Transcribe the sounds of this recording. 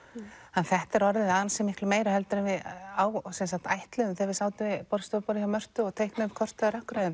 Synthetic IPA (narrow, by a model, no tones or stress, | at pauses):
ɛnθɛht̪ɛɾɔɾðɪðaːðansɛmɪhklʏmeːjɾahɛlt̪ʏɾɪvɪðaːwsɛnsakt̪ajht̪lʏmθɛvɪsaːwt̪ɪvɪpɔːɾɪst̪ɔːpɔːɾɪçawmœr̥t̪ʏɔɣt̪ʰejhknʏ̥kʰɔr̥t̪aðɾœhkɾajðɪm